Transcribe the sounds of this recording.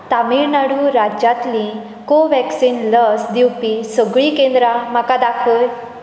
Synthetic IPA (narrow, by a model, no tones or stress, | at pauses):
t̪amiɾnaɽuɾad͡ʑjat̪lĩ | koʋɛksiːnləsd̪iwpisəɡɭikẽnd̪ɾam̤akad̪akʰəj